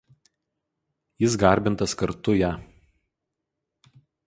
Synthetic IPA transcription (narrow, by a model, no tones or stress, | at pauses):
jɪsɡɐˑɾʲbʲɪnˑt̪ɐskɐɾt̪ʊjæː